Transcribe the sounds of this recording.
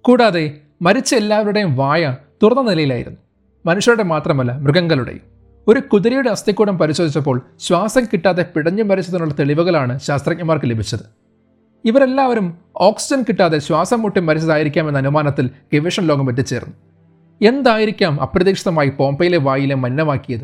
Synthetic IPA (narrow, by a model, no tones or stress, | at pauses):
kuːɽaːðe̞ | mɐɾit͡ɕːɐelːaːʋɐluɽejumʋaːjɐt̪urɐnːɐnilɐjilaːjiɾunːu | mɐnuʂjɐɾuɽe̞maːt̪rɐmɐlːɐmruɣɐŋɡɐɭuɽḛ | o̞ɾukuðuɾijuɽeɐst̪ikːuːɽɐmpɐɾiɕo̞ːd̪ʱit͡ɕːɐp̬ːo̞ːɭɕwaːsɐŋkiʈːaːðe̞piɽɐɲːumːɐɾit͡ɕːɐðunːuɭːɐt̪e̞ɭiʋɐɣɐɭaːɳɨɕaːst̪rɐk̚ɲɐmaːrkɨlebʱit͡ɕːɐðɨ | iʋɐɾe̞lːaːʋɐɾum | o̞ːksi̥d͡ʑɐnkiʈːaːðe̞ɕwaːsɐmːuʈːimːɐɾit͡ɕːɐðaːjiɾikʲːaːmenːɐnumaːnɐt̪ːilkeʋeʂɐnlo̞ːɡɐmʋɐt̬ːɨt͡ɕe̞ːrnːu | e̞nd̪aːjiɾikʲːaːmɐ̰prɐðiːkʂiðɐmaːjipo̞ːmbɐjile̞ʋaːjilemɐnːɐmaːkːijɐðɨ